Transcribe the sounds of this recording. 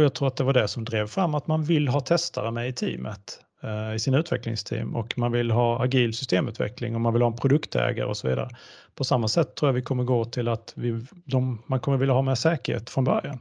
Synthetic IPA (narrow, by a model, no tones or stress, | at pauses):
jɑːɡt̪ʰɾuːɾat̪̚d̪ɛvaɖɛsɔmd̪ɾeːvfɾamːat̪manvɪlːɦɑːt̪ʰɛst̪ʰaɾəmɛɪt̪ʰḭːmʔət̪ | ɪsɪːnaʉ̟ːt̪vɛklɪ̰ŋst̪ʰḭːmɔkmanvɪlːɦɑːaɡiːlsʏst̪eːmʉ̟t̪vɛ̰klɪ̰ŋɔmanvɪlhɑːɛnpʰɾʊd̪ɵkt̪ɛ̰ːɡa̰ɾəɔsɔvḭːd̪a̰ɾəpʰɔsamːasɛt̪ʰːɾuːɾjavɪkʰɔmːəɾɡoːt̪ʰɪlat̪vɪd̪ɔmːankʰɔmːəɾvɪlːaɦɑːmɛʂɛːkəɾhḛːt̪fɾɔnbœ̰ɾjan